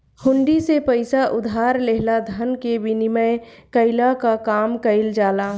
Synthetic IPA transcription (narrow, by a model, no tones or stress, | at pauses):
hʊ̃ɳɖisepəɪsaʔʊd̪ʱaːɾleɦlad̪ʱənkebɪniməɪ | kəɪlakakaːmkəɪld͡ʒaːla